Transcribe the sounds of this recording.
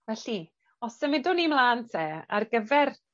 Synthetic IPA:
vɛɬi | ɔsəmɪdʊnimlaːntʰɛa̰rɡəvɛr

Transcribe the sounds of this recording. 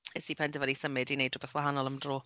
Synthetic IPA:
ɛsipʰɛntəvadisəmɪdinejdubɛθwaɦanɔlˠəmdroː

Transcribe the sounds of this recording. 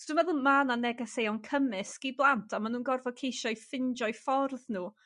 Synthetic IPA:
sd̥ənvɛðʊlˠmananɛɡɛsejɔnkʰəmɨsɡ̥iblˠantʰamanuːnɡɔrvɔkʰejʃɔjfɪnd͡ʒɔɨfɔrðnuː

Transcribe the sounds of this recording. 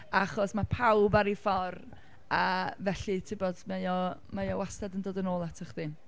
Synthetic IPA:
aχɔsmapʰawbaɾifɔr | avɛɬɨtʰɪbɔdmejɔmejɔwastadəndoːdənoːlˠatʰəχði

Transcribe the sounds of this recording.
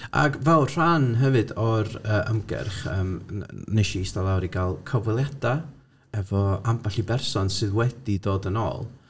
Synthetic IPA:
ʔa̰ɡvɛlˠr̥anɦɛvɨdɔɾəːʔəmɡɛ̰rχə̰ːmneʃiistalˠawɾiɡalˠkʰɔvɛlˠjada | ɛvɔambaɬibɛrsɔnsɨðwɛdidoːdənɔ̰ːlˠ

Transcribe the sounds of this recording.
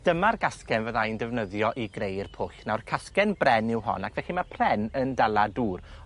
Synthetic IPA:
d̥əmarɡaskɛnvəðajndɛvnəðjɔʔiɡrejrpʰʊɬnawrkʰaskɛnbrɛnɪwɦɔ̰nakʰvɛɬimapʰrɛnəndalˠaduːr

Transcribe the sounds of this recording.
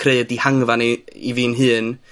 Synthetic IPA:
kʰreɨdihaŋvaniḭvɨːnɦɨːn

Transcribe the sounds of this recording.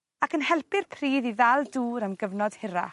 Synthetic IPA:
akənhɛlˠpɪrpʰr̥iːðiðalˠduːɾəmɡəvnɔd̥hɪɾa̰

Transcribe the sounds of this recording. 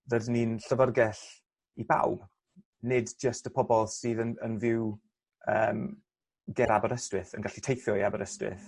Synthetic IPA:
ðədninɬəvərɡɛɬ | iba̰wb̥ | nɪdd͡ʒəstəpʰɔbɔlˠsiːðənənvɪw | əːm | ɡɛɾabəɾəstwɪθə̰nɡaɬitʰejθjɔiabəɾəstrɪ̰θ

